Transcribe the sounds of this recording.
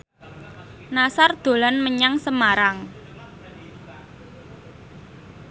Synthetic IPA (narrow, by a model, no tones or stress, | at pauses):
nasard̪̥o̤lanməɲaŋsəmaɾaŋ